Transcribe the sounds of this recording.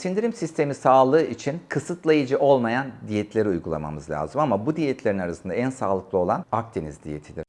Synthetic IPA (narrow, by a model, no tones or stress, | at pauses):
sind̪iɾimsist̪ʰe̞misaːlˠɯːit͡ʃʰinkʰɯsɯt̪lˠajɯd͡ʒɯʔo̞lˠmajand̪ijɛt̪ʰlʲe̞ɾiujɡulˠa̰ma̰mɯzlʲa̰ːzɯmamabud̪ijɛt̪ʰlʲe̞ɾinaɾasɯnd̪aænsaːlˠɯklˠɯo̞lˠanak̚t̪ʰenizd̪ijḛt̪ʰid̪iɾ̥